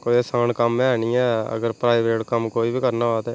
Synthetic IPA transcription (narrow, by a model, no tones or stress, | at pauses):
koːiesaːnkəmːɛːɛnĩːɛːə̰ɡəɾpɾaːɪʋɾeːʈkəmkoːiːbiːkəɾnaːʋaːt̪ɛː